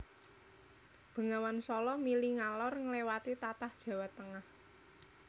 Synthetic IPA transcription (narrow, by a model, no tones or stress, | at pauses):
b̥ə̤ŋawansɔlɔmiliŋalɔrŋəlewat̪it̪at̪ahd̥ʒ̥a̤wat̪ːəŋah